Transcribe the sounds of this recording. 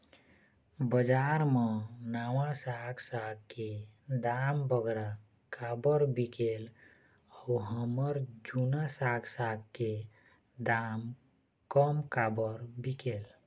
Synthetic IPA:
bəd͡ʒaɾmənawãsaksakked̪ambʱəɡɾa | kabəɾbikel | auɦəməɾd͡ʒunasaɡsak̚ke | d̪am | kəmkabəɾbikel

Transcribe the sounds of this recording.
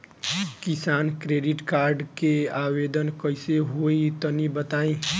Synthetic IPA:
kɪsaːnkɾeːɖɪʈkaːɾɖkeaːweːd̪ənkəɪseɦoːit̪ənibət̪aːĩ

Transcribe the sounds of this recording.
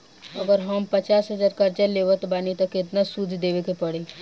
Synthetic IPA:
əɡəɾɦəmpət͡ʃaːsɦəd͡ʒaːɾkəɾt͡ʃəleʋət̪baːnit̪əket̪nasud̪ʱd̪eʋekepəɽe

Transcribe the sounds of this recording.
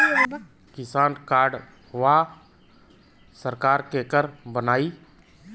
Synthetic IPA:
kɪsaːnkaːɾɖ | ʋa | səɾkaːɾkekəɾbənaːiː

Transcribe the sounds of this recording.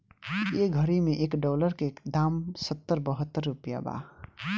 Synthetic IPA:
eɡʱʌɾimeʔekɖɔləɾked̪amsət̪ːəɾbəɦət̪ːəɾːupija̰ba̰

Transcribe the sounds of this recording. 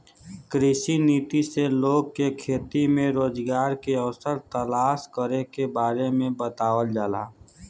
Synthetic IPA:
kɾɪʃiniːt̪iseloːɡ̚kekʰeːt̪imẽɾoːd͡ʒɡaːɾkeəʋsəɾt̪əlaːskəɾekebaːɾemẽbət̪aːwəld͡ʒaːla̰ː

